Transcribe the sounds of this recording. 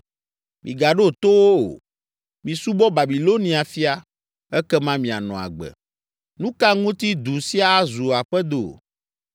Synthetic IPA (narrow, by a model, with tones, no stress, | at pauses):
mḭ̃˨ɡa˨ɖo˦t̪o˦wo̰˦˨ | mĩ˨su˦bɔ˦ba˨bi˨lo˦nĩ˨˦a˨fi˦a˦ | ɛ˦kɛ˦mã˦mĩ˨a̰˨nɔ̃˨a̰˨ɡ͡bɛ̰˨ | nũ˦ka˦ŋũ˦t̪i˦d̪u˨si˦a˦zu˨a˨ɸɛ˦d̪o̰˨